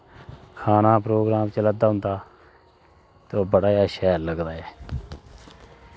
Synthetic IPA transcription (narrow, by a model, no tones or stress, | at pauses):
kʰaːnaːpɾoːɡɾaːmt͡ʃələd̪aːɦʊ̃nd̪aː | t̪oːbəɽaːjaːʃɛːlːəɡd̪aːɛː